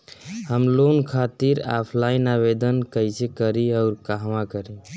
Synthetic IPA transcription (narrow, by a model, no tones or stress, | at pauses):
həmlonkʰat̪iɾa̰pʰlainaβed̪ənkəjsekəɾiaʊɾkaɦmãkəɾi